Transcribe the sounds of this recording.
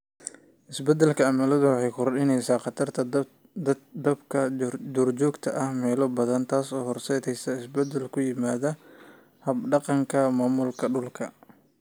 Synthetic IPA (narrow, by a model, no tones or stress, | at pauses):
ʔɪsbɛd̪ɛlkʰɐɐmɐlɐðʊwɑħɑjkʰɔrɗɪnɛjsaːqɑt̪ʰɐrt̪ʰɐ | d̪ɐbkʰɐd͡ʒɔːrt͡ʃɔːɡt̪ʰɐʔɐhmɛːlɔbɐðɐnt̪ʰaːsɔːhɔrsɛðɛjsɐɪsbɛd̪ɛlkʰʊjɪmaːðɐ | hɐbɖɑqɑŋkʰɐmaːmʊlkʰɐɖʊlkʰɐ